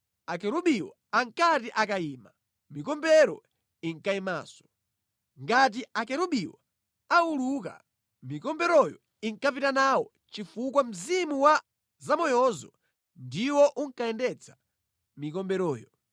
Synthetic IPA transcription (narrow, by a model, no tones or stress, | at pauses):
akɛɾuɓiwɔ̰ | aŋkatiʔakaiːma | mikɔmbɛɾɔ | iŋkaima̰ːsɔ̥ | ŋɡat̬iakɛɾuɓiwɔ̰ | auluk̬a̰ | mikɔmbɛɾɔjɔ̰ | iŋkapitanawɔ | t͡ʃifukwam̩zimuwa | zamɔjɔzɔ̰ | ndiwɔʔuŋkaɛndɛt͡sʰḁ | mikɔmbɛɾɔːjɔ